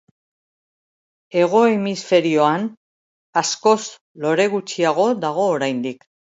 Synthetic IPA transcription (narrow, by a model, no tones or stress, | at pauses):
e̞ɣ̞o̞emisfe̞ɾio̞an | asko̞s | lo̞ɾe̞ɣut͡ʃiaɣ̞o̞ðaɣ̞o̞ːɾajnd̪ik